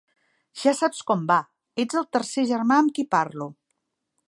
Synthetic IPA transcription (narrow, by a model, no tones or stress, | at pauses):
ʒ̥asapskɔmba | ed͡zəlˠt̪əɾseʒəɾmaəmkipaɾlu